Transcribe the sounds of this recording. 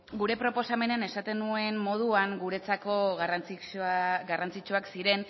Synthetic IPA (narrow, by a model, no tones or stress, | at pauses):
ɡuɾe̞pɾo̞po̞same̞neane̞sat̪e̞nue̞nmo̞ð̞uaŋɡuɾe̞t͡sako̞ɣrat͡siɡarant͡sit͡ʃuaksiɾe̞n